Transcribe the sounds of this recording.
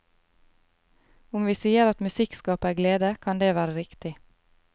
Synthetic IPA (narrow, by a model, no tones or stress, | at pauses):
ʊmʋiːsiːəɾɑt̪mʉsɪkskɑːpəæːɡleːd̪əkʰɑnd̪eːʋæːɾəɾɪkt̪ɪ